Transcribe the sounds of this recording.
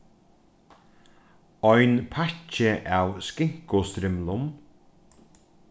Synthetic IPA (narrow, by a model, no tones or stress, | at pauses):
ɔjnpʰat͡ʃəʔawskɪŋ̥kʊst̪ɾɪmlʊm